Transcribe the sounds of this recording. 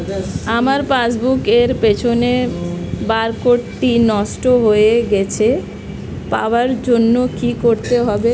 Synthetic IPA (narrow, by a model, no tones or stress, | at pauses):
amaɾpasbukeɾpet͡ɕʰone | baɾkoʈʈinɔsʈoɦoeɡɛt͡ɕʰe | pa̰oaɾd͡ʑonːokikoɾt̪eɦɔbe